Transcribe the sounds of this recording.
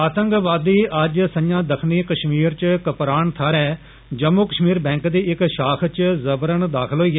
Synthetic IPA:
aːt̪ə̃ŋkʋaːd̪iːʔəd͡ʒsəɲãːd̪əkʰniːkəʃmiːɾt͡ʃkəpɾaːɳt̪ʰaːɾɛː | d͡ʒəmːuːkəʃmiːɾbɛ̃ːŋkd̪iːɪkʃaːkʰt͡ʃzəbɾəɳd̪aːkʰəlɦoːiːɛ

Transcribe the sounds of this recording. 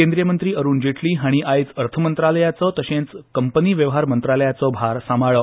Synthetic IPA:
ẽnd̪ɾijəmənt̪ɾiːəɾuːnd͡ʑeʈʰliːɦaɽ̃iʔajt͡səɾt̪ʰəmənt̪ɾaləjat͡sɔt̪əɕẽnt͡skəmpəniːʋjəʋɦaɾmənt̪ɾaləjat͡sɔbʱaɾsamaɭə

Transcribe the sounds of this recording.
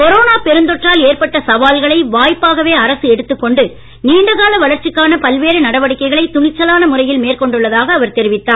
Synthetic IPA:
kɔɾoːnaːpɛɾɯnd̪ɔʈraːleːrpɐʈːɐsɐʋaːlɣɐɭɐɪʋaːjpːaːɣɐʋeːɐɾɐsɯɛɽɯt̪ːɯkːɔɳɖɯ | niːɳɖɐɣaːlɐʋɐɭɐɾt͡ʃɪkːaːnɐpɐlʋeːɾɯnɐɽɐʋɐɽɪkːɐɪɣɐɭɐɪt̪ːʊɳɪt͡ʃːɐlaːnɐmʊrɐjɪlmeːrkɔɳɖɯɭːɐðaːɣɐːʋɐɾt̪ɛɾɪʋɪt̪ːaːn

